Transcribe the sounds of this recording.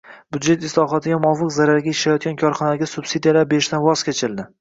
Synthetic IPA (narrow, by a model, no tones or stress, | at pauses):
bʊd̪d͡ʒe̞t̪ɪslˠɒɦɒt̪ʰɪɡʲamɒvɨqzaɾaɾɡʲaɪʃlajɒt̪̚ɡʲankʰɒɾχɒnaɡʲasʊb̥sid̪ijalaɾbeɾɪʃt̪anvɒzkʲʰet͡ʃʰɪld̪ɪ